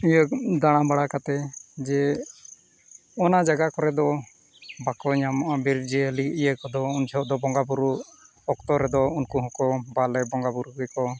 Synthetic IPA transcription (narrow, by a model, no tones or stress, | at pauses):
ijəkd̪aɽ̃ãbaɽakat̪ɛd͡ʒɛ | ɔnad͡ʒaɡakɔɾɛd̪ɔ | bakɔɲamɔʔabiɾd͡ʒɛəliijəkɔd̪ɔund͡ʒɔd̪ɔbɔŋɡabuɾu | ɔkt̪ɔɾɛd̪ɔunkuɦɔ̃kɔmbalɛbɔŋɡabuɾukkɔ